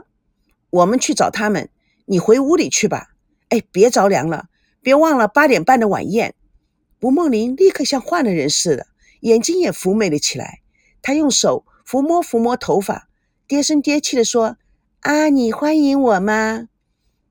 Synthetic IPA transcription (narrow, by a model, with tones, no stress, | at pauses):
wɔ˨˩mə˧˦nt͡ɕʰy˥˩ʈ͡ʂɑ˨˩ʊt̪ʰa˥mə̰˨n | ni˨˩xwe˧˥ɪu˧˥li˨˩t͡ɕʰy˥˩bɐ̰˨˩ | e˥˩ɪpjt͡sɑ˧˥ʊljɑ̰˧˥ŋlə̰˧ | pjɛ˧˥wɑ˥˩ŋlə˩pa˥t̪jɛ˨˩npa˥˩nd̪ə˩wa̰˨˩njɛ̰˥˩n | pu˧˥mɤ˥˩ŋli˧˥nli˥˧kʰɤ˥˧ɕjɑ˥˧ŋxwa˥˩nd̪ə˩ɻə˧˥nʂɻ̩˥˩d̪ə̰˩ | jɛ˨˩nt͡ɕi˥ŋjɛ˨˩fu˧˥me˨˩ɪd̪ə˦t͡ɕʰi˨˩la̰˧˥ɪ | t̪ʰa˥jʊ˥˩ŋʂo˨˩˦ʊ | fu˧˥mwɔ˥fu˧˥mwɔ˧˥t̪ʰo˧˥ʊfa̰˨˩˦ | t̪jɛ˥ʂə˥nt̪jɛ˥t͡ɕʰi˥˩d̪ə˩ʂwɔ˥ | a˥˩ni˨˩xwa˥ni˧˥ŋwɔ˨˩mɐ˧